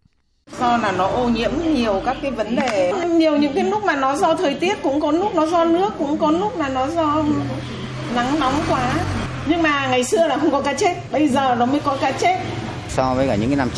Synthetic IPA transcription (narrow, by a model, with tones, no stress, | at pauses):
sɔ˧laː˨˩nɔ˨˦ʔo˧ɲḭ˧˥əmɲi˨˩əwkaː˦˥kːaː˨˦jvə˨˦nɗe˨˩˧ɲi˨˩əwɲɨ̰˧˥ŋkaː˨˦nʊ˦˥k͡p̚maː˨˩nɔ˨˦zɔ˧t̪ʰəː˨˩jt̪i˦˥ət̚kʊ̰˧˥ŋ͡mkɔ˨˦nu˦˥k̚nɔ˨˦zɔ˧nɨ˦˥əkːʊ̰˧˥ŋ͡mkɔ˨˦nu˦˥k͡p̚maː˨˩nɔ˨˦zɔ˧ | na˨˦ŋnɔ˨˦wŋ͡mkwaː˨˦ | ɲɨ˧ŋmaː˨˩ŋa˨˩jsɨ˧əlaː˨˩xə˧wŋ͡mkɔ˨˦kaː˨˦t͡ɕe˦˥t̚ɓə˧jzəː˨˩nɔ˨˦məː˨˦jkɔ˨˦kaː˨˦t͡ɕe˦˥t̚ | sɔ˧vəː˨˦kaː˧˩ɲɨ̰˧˥ŋkaː˨˦na˧m